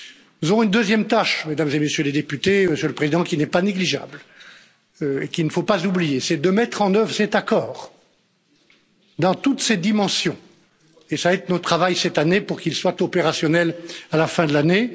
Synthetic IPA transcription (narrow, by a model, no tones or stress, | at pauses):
nuzɔʁɔ̃ynd̪øzjɛmt̪aʃmed̪amzemesjøled̪epyt̪eməʃøləpχezid̪ɑ̃kʲinɛpaneɡliʒa̰bl | ekilnəfopazublijesɛd̪əmɛt̪χɑ̃nœvʁəsɛt̪akɔːʁ | d̪ɑ̃t̪ut̪sed̪imɑ̃sjɔ̃ | esaɛt̪not̪χavajsɛt̪anepuʁkilswat̪ɔpeʁasjɔnɛlalafɛ̃d̪əlane